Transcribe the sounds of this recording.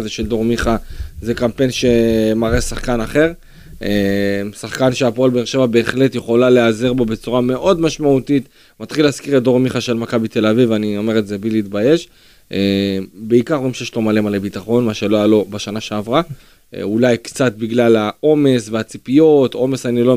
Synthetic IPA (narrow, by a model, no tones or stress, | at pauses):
zeʃe̞ld̪o̞ʁmiχazekampe̞nʃe̞maʁesaχkanaχe̞ʁ | emsaχkanʃeapoolbeːʁʃe̞vabe̞ːχletjeχo̞lale̞azeʁbobe̞t͡suʁame̞ʔo̞dmaʃmaut̪it | mat̪χilaːskiʁetd̪o̞ʁmiχaʃe̞lmakabit̪e̞lavivanio̞me̞ʁetze̞biliːt̪baje̞ʃ | ʔebe̞ikaʁimʃejeʃlo̞male̞malebit̪aχo̞nmaʃe̞loajalo̞baʃanaʃe̞avʁa̰ | ulajkt͡sat̪̚biɡlalao̞me̞sveat͡sipio̞to̞me̞sanilo